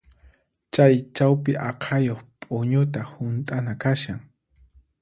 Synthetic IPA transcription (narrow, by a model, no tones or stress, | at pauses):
t͡ʃajt͡ʃawpɪʔɑqʰɑjoχpʼʊɲʊt̪ahʊnt̪ʼanakaʃaŋ